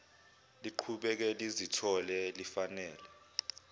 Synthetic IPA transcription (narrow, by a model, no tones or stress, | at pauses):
liǃʰuɓɛk̬ɛlizitʰɔlɛlifanɛːlɛ